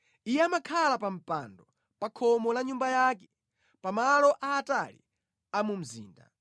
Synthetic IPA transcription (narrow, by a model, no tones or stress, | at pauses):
ijɛamakʰalapam̩pa̰ndɔ | pakʰɔmɔlaɲumbajakɛ | pamalɔʔaːtalḭ | amum̩zḭːnda̰